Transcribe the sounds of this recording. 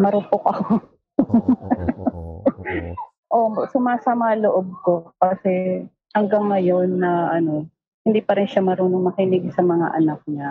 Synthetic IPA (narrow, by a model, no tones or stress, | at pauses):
mɐɾopok̚ʔɐko | ʔosʊmaːsɐmaloʔob̚ko̞kɐsɛ | hɐŋɡaŋːɐjo̞nːɐʔɐno̞ | hɪnd̪ipɐɾɪnʃamɐɾunoŋmɐkɪnɪɡsɐmɐŋa̰ʔɐnɐk̚ɲa